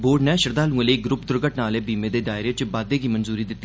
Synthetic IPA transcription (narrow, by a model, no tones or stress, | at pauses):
boːɖnɛ̃ːʃəɾd̪aːlũːəleiːɡɾʊpd̪ʊɾɡəʈnaːleːbiːmẽːd̪eːd̪aːɪɾeːt͡ʃbaːd̪eːɡiːmənzuːɾiːd̪ɪt̪ːiː